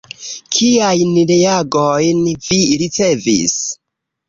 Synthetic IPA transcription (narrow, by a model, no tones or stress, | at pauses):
kʰijajniɾejaɡojnviɾit͡se̞vḭs